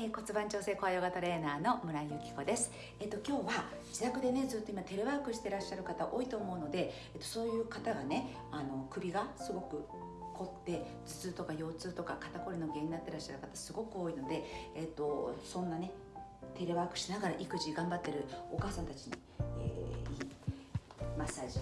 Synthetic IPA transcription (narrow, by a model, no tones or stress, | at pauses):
eːko̞t͡sɨbãɲt͡ɕo̞ːse̞ːko̞ajo̞ɡat̪oɾe̞ːnaːno̞mɯ̟ɾaijɯ̟kʲi̥ko̞d̪e̞sɨ̥ | e̞t̪ːo̞kʲo̞ːβa | d͡ʑit̪akɯ̟d̪e̞ne̞d͡zɨːt̪ːo̞imat̪e̞ɾeβaːkɯɕi̥t̪e̞ɾaɕːaɾɯ̟kat̪aʔo̞ːit̪o̞ːmo̞ɯ̟no̞d̪e̞ | et̪ːo̞̥so̞ːjɯ̟ːkat̪aɡane̞ | ano̞kɯ̟bʲiɡasɨɡo̞kɯ̟ | kʰo̞t̪ːe̞ | d͡zɨ̥t͡sɨːt̪o̞kajo̞ːt͡sɨːt̪o̞kakat̪ako̞ɾino̞ɡe̞ːɲ̟inat̪ːe̞ɾaɕːaɾɯ̟kat̪asɨɡo̞kɯ̟o̞ːino̞d̪e̞ːt̪ːo̞sõ̞nːane | t̪e̞ɾeβaːkɯ̟̥ɕinaɡaɾaʔikɯ̟ʑiɡãmbat̪ːe̞ɾɯ̟o̞kaːsãnt̪at͡ɕiɲ̟ḭ | ḛiː | masaːʑi